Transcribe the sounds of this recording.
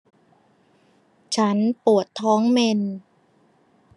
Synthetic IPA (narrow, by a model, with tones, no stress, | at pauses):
t͡ɕʰa˦˥npu˨˩ət̪ʰːɔː˦˥ŋme˧n